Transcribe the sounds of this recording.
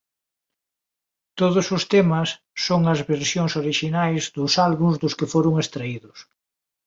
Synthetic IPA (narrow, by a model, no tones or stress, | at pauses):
t̪oðʊsʊst̪ɛmɐsː | oŋɐzβeɾsjoŋsoɾiʃinajzðʊsalβuŋzðʊskɪfoɾʊŋest̪ɾaiðʊs